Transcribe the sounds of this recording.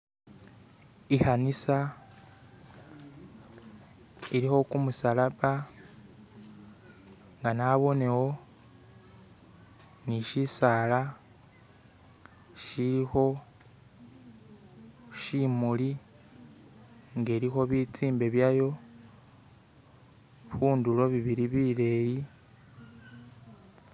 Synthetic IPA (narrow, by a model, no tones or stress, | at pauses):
ihanisa | iɾiho̞kumusalaβa | ŋɡanaβo̞ne̞wo̞ | niʃisala | ʃiɾixo̞ | ʃimuli | ŋɡe̞ːɾixo̞βit͡siːmbe̞βjajo̞ | βuːndulo̞βiβiɾiβiɾe̞ːji